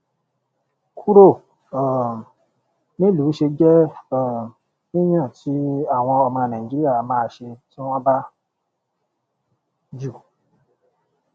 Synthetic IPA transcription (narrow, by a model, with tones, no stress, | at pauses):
kʰu˦ɾo˦˨ | nĩ˦lu˨˦ʃe˧d͡ʒɛ˦˨ | nĩ˦j̃ã˦˨ti˨˦a˦˨w̃ɔ̃˧ɔ˧mã˧˨nã˨i˨d͡ʒi˦i˦a˦˨mãː˧ʃe˧tĩ˦ɔ̃˦ba˦ | d͡ʒu˦˨